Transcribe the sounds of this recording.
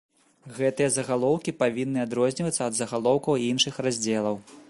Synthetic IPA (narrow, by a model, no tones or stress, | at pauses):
ɣɛt̪ɨjɐzɐɣalˠɔwkʲipavʲinːɨad̪ɾɔzʲnʲivɐt̪sɐːd̪zɐɣalˠɔwkɐwinʂɨxrazʲd͡zʲɛlˠɐw